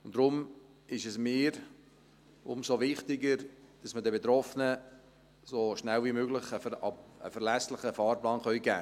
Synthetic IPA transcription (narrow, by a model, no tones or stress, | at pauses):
ʊnd̥ɾʊm | ɪʃɛsmɪːɾ | ʊmsovɪχtɪɡəɾd̥ɑsmədɛbet̪ɾɔfnə | soʃnælvimøːɡlɪχəə̰fɛɾlæslɪχəfɑːɾplɑːnχœʏɡ̥æ̰ː